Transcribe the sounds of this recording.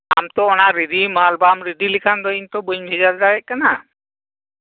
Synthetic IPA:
a̰mt̪ɔɔnaɾiɖimalbamɾiɖilikʰand̪ɔint̪ɔbuɲbʱid͡ʒaɾd̪aɛʔ̚kana

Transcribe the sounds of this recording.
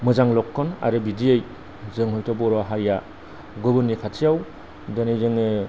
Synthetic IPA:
mɯzaŋlɔkʰːɔna̰ɾɯbidiɯj | zɯŋɦɯltʰɔbɔɾɔɦaɾja | ɡɯbɯnikʰatʰijaw | danɯjzɯŋɯ

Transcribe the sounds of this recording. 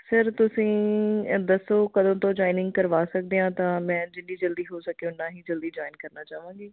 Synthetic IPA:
səɾt̪ʊsĩːd̪əsoːkəd̪õːt̪õːd͡ʒɔːinɪ̃ŋɡ̚kəɾʋaːsək̚d̪eːãːt̪ãːmɛ̃ːd͡ʒɪɳɖiːd͡ʒəld̪iːɦoːsəkeːʊnːãːɦiːd͡ʒəld̪iːd͡ʒɔːinkəɾnaːt͡ʃaːʋãːŋɡiː

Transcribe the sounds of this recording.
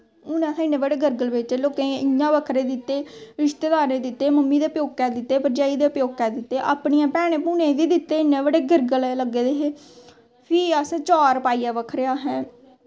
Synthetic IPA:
ʊnãːt̪ʰːɪnẽːʋəɽeːɡəɾɡəlbeːʈeːloːkẽɪãːʋəkʰɾeːd̪ɪt̪ːeːɾɪʃt̪eːd̪aːɾẽːd̪ɪt̪ːeːməmːiːd̪eːʊpjoːɡ̚kɛːd̪ɪt̪ːeːpəɲd͡ʒaːiːd̪eːʊpjoːɡ̚kɛːd̪ɪt̪ːeːʔaːpɳiːãːpɛːɽ̃ẽːpuːnẽːʋiːd̪ɪt̪ːeːɪnːẽːʋəɽeːɡəɾɡəlləɡeːd̪eːɦeː | pʰiːəsãːt͡ʃaːɾpaːiːaːʋəkʰɾeaːɦɛ̃ː

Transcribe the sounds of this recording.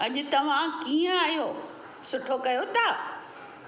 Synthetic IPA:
ɐʄʊt̪ɐʋ̤ãkiːə̃aːijoː | sʊʈʰokɐjot̪a

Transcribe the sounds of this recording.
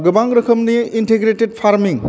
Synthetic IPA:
ɡɐbaŋɾɐkʰɐmniinteɡɾeted̚pʰaɾmiŋ

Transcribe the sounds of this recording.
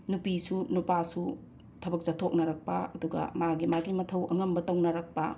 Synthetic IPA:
nupisunupasu | tʰɐbɐk̚zatʰok̚nɐɾɐk̚pɐɐduɡɐ̰maɡimaɡimɐtʰɐwʔɐŋɐmbɐtɐwnɐɾɐk̚pɐ̰

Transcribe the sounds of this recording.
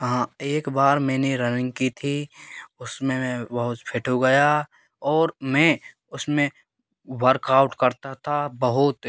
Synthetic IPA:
ɦãːeːkbaːɾmɛ̃ːneɾɐnɪ̃ŋɡ̚kit̪ʰiʊsmẽbɐɦʊt̪pʰɪʈʰoɡɐja | ɔːɾmɛ̃ | ʊsmẽ | wəɾkaːʊʈkɐɾt̪at̪ʰabɐɦʊt̪

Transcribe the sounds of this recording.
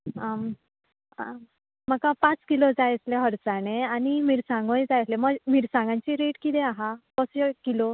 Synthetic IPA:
am | a | makapãt͡skilod͡zajsleɦəɾsaɽ̃eañimiɾsãŋɡõjd͡zajsleməɡmiɾsãŋɡãɲt͡ɕiɾeʈkit̪eaɦakɔsjɔkilo

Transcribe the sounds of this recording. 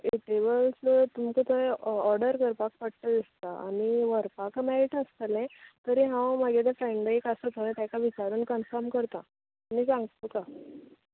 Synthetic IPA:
eʈeʋəlst̪umkət̪ɔɾɖəɾkəɾpak̚pəɽʈ̪əd̪ist̪aa̰niʋəɾpakmeɾiʈəst̪əlɛ̃t̪əɾiɦãwmaɡet̪əfɾeɳɖekasət̪əʋẽt̪jãkaʋit͡ɕaɾuːnkənfəɾmkəɾt̪a | nisãŋɡt̪oka

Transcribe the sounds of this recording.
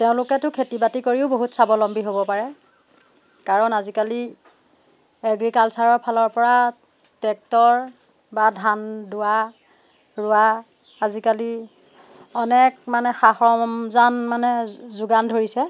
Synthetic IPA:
teʊ̃lʊkɛtʊkʰetibatikoɹiʊboɦutsabɔlɔmbiɦobɔpaɹɛ | kaɹɔnazikali | eɡɹikalsaɹɔɹpʰalɔɹpɔɹa | tɛk̚tɔɹ | badʱandʊwa | ɹʊa | azikali | ɔnɛkmanɛxaxɹɔmzanmanɛzuɡandʱoɹisɛ

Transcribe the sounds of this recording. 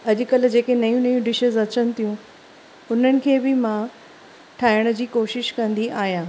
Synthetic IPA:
ɐʄʊ̆kɐld͡ʑeːkenɐjũnɐjũɖɪʃəzɐt͡ɕənɪ̆t̪ʰijũ | ʊn̤ənɪ̆kʰeːbɪmã | ʈʰaːɦɪɽ̃d͡ʑiːkoːʃɪʃkɐ̃nd̪iʔaːɦijãː

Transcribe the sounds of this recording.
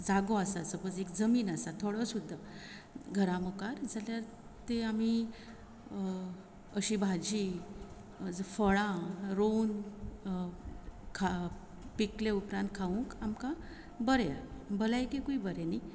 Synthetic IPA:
d͡zaɡoasasəpəd͡zekd͡zəmiːnasat̪ʰoɽəsud̪ʱːa | ɡʱəɾãmɔkaɾd͡zaljaɾ | t̪eami | əɕibʱad͡ʑi | d͡zfəɭãɾon | kʰa | pikleupɾãnt̪̚kʰaũŋkamka | bəɾjabəlajkekuibəɾeni

